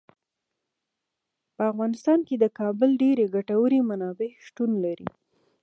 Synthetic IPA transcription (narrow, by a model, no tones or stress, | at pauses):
pəafɣɑnɪst̪ɑnked̪əkɑbəlɖeɾeɡaʈawəɾemanɑbeʃʈunlaɾḭ